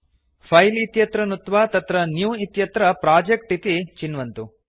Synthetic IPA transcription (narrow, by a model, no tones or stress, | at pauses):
pʰɐjlit̪jɐt̪ɾɐnut̪ʋaːt̪ɐt̪ɾɐnjuːit̪jɐt̪ɾɐpɾaːd͡ʒekʈit̪it͡ʃinʋɐnt̪u